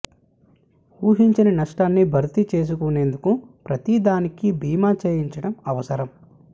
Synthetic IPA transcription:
uːɦiɲt͡ʃɐnɐnɐʂʈaːnːibʱɐɾt̪it͡ʃe̞ːs̬ukune̞ːnd̪ukupɾɐt̪id̪aːnikibʱiːmaːt͡ʃeːjiɲt͡ʃɐɽɐmɐʋɐsɐɾɐm

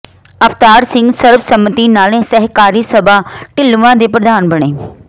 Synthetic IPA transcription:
əpʰt̪aːɾsɪ̃ŋɡsəɾbsəmt̪iːnaːlẽːsɛɦkaːɾiːsəbaːʈɪlʋãːd̪eːpɾəd̪aːnbəɳ̃eː

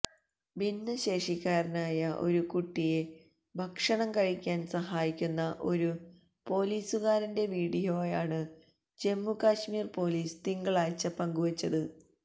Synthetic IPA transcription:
binːɨɕe̞ːʂikʲːaːɾinaːjɐʔo̞̰ɾukuʈːije̞ | bʱɐkʂɐɳɐmkɐɻikʲːaːnsɐɦaːjikʲːunːɐʔo̞ɾu | po̞ːliːsuɣaːɾinde̞ʋiːɽijo̞ːjaːɳɨ | d͡ʑe̞mːukaːɕmiːrpo̞ːliːst̪iŋɡɐɭaːjt͡ɕːɐpɐŋɡuʋɐt͡ɕːɐðɨ

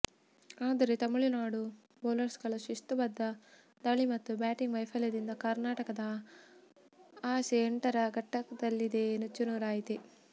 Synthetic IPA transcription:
aːd̪ɐɾet̪ɐmːiɭunaːɽu | boːlɐɾsɡɐɭɐʃist̪ubɐd̪ːɐ | d̪ɐɭimɐt̪ːubaːʈiŋɡʋɐjpʰɐljɐd̪ind̪ɐkɐɾnaːʈɐkɐd̪ɐ | aːseːɳʈɐɾɐɡɐʈːɐkɐd̪ɐlːid̪eːnɐt͡ʃːunuːɾaːjit̪e

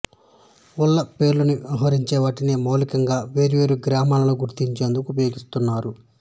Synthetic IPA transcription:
ulːɐpe̞ːɾlɐniiɦɐɾiɲt͡ʃɛːʋaːʈinimoːlikɐŋɡaːʋe̞ːɾiʋe̞ːɾuɡɾaːmaːlɐloɡuɾt̪iɲt͡ʃeːnd̪ukuːpɐjo̞ːɡist̪unːaːɾu

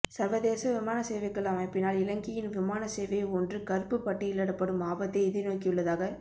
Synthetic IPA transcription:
sɐɾʋɐðeːsɐʋɪmaːnɐseːʋɐɪkːɐlaːmɐpɪnːaːlɪlɐŋɡɪjɪnʋɪmaːnɐseːʋɐjɔndrɯkɐɾpɯpːɐʈːɪɪlːɐɽɐpːɐɽɯmaːbɐt̪ːɐɪɪðɪnoːkɪjɯɭːɐðaːɣɐ

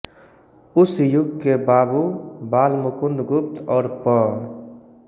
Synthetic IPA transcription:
ʊsjʊɡ̚kebaːbubaːlmʊkʊnd̪ɡʊpt̪ʰɔːɾpɔ

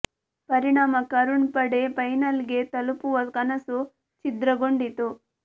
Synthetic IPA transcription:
pɐɾiɳaːmɐkɐɾuɳpɐɽepɐjnɐlɡe̞t̪ɐlupuʋɐkɐnɐsu | t͡ʃid̪ɾɐɡoɳɖit̪u

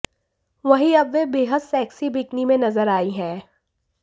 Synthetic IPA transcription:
ʋɐɦiɐbʋebeːɦəd̪sɛːksibɪːknimẽnɐzəɾaːiɦɛ̃ː

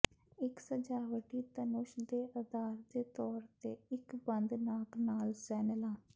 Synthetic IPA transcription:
ɪksəd͡ʒaːʋəʈiːt̪ənʊʃd̪eːʔəd̪aːɾd̪eːt̪ɔːɾt̪eːɪkbənd̪naːknaːlsɛːnəlãː

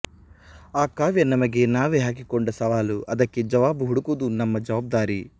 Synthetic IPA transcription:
aːkaːʋjɐnːɐmɐɡenaːʋeɦaːk̬ikɔɳɖɐsɐʋaːluʔɐd̪ɐkːid͡ʒɐʋaːbuɦuɽukud̪unɐmːɐd͡ʒɐʋaːb̚d̪aːɾi

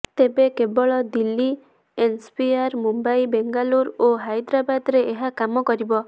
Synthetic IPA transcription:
t̪ebekebɔɭɔd̪ilːi | ensbiaɾmumbajbeŋɡaluɾoɦajd̪ɾabad̪ɾeeɦakamɔkɔɾibɔ

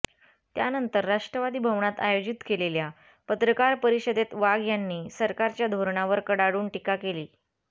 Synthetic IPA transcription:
t̪janənt̪əɾːaʂʈɾəʋad̪iːbʱəʋɳat̪a̰jod͡ʑit̪kelelja | pət̪ɾəkaɾpəɾiɕəd̪et̪ʋaɡjanːiːsəɾkaɾt͡ɕjad̪ʱoɾɳaʋəɾkəɽaɽuːɳʈikakeliː

